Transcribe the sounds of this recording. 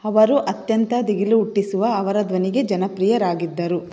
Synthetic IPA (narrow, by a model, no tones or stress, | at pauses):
ɐʋɐɾuʔɐt̪jɐnt̪ɐd̪iɡiluːuʈːisuʋɐːʋɐɾɐd̪ʋɐniɡe̞d͡ʒɐnɐpɾijɐɾaːɡid̪ːɐɾu